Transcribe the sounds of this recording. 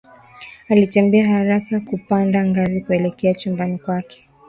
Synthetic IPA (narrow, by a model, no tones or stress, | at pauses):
alitɛmbɛahaɾakakupandaŋɡazikuɛlɛkɛat͡ʃumbanikwakɛ̥